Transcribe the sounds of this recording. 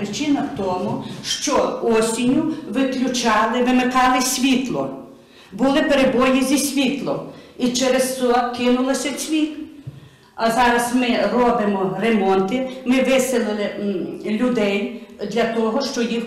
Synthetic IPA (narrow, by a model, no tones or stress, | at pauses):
ɾɪt͡ʃɪnɐwt̪ɔmʊʃt͡ʃɔɔsʲinʲʊʋɪklʲʊt͡ʃɑlˠɪʋɪmɪkɑlˠɪsʲʋʲit̪lˠɔ̰ | bʊlˠɪpeɾebɔjizʲisʲʋʲit̪lˠɔmit͡ʃeɾessɔkɪnʊlˠɐsʲɐt͡sʲʋʲik | ɐzɑɾɐsmɪrɔbɪmɔremɔnt̪ɪmɪʋɪsɪlˠɪlˠɪlʲʊd̪ɛjd̪lʲɐt̪ɔɦɔʃt͡ʃɔjix